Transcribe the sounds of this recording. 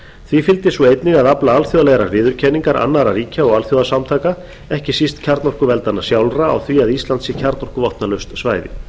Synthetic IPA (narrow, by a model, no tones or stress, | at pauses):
θvifɪlt̪ɪsuejt̪nɪɣaðaplaalθjɔðalɛɣɾaɾvɪːðʏɾ̥cʰɛniŋkaɾʔa̰nːaɾariːcaɔɣalθjɔðasamt̪ʰaːka | ɛhcɪsist̪cʰaɾt̪nɔr̥kʏvɛlt̪anːasjawlraa̰wθviaðist̪lant̪sɪcʰaɾt̪nɔr̥kʏvɔht̪nalœɥst̪svaːjðɪ̰